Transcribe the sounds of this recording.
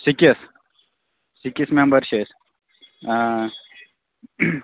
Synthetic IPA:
sikɐs | sikismembəɾɕes

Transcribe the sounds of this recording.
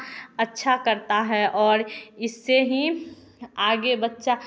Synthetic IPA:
ɐtːʃʰakɐɾt̪aɦɛʔɔːɾɪsːeɦi | aːɡebətːʃa

